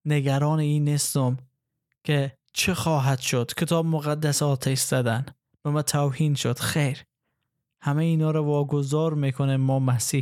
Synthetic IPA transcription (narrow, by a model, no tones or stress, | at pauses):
neɡæɾɒːneiːnːest̪om | kʲʰe | t͡ʃʰexɒːɦæd̪̥ʃod̪̥kʰet̪ʰɒːbmoɣæd̪ːæsɒːt̪ʰeʃz̥æd̪æn | bemæt̪ʰawhiːnʃod̪̥xejɾ | hæmeiːnɒːɾɔvɒːɡozɒːɾmekʰoneːɒːmæsiː